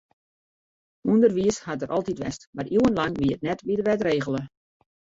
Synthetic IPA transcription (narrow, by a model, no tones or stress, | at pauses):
undərʋiəshatdəɾʔɑlˠtitʋɛ̰stmariwənlanʋiəət̚nɛtʋiədəʋɛtreːɣəlˠə